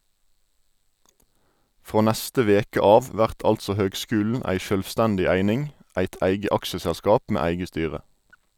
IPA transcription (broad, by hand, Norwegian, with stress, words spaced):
ˈfʁoː ˈnæstə ˈʋeːkə ˈɑːʋ ˈʋæʁt ˈɑltsɔ ˈhøːɡˌskʉːln̩ ˈæɪ ʃœlʋˈstændɪ ˈæɪnɪŋ ˈæɪt ˈæɪɡə ˈɑkʃəsælˌskɑːp ˈmeː ˈæɪɡə ˈstyːʁə